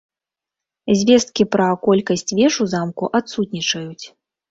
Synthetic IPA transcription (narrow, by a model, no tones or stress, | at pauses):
zʲvʲɛst̪̚kʲipɾɐkɔlʲkɐsʲt͡sʲvʲɛʂuzamkuʔat̪sut̪nʲit͡ʂɐjut͡sʲ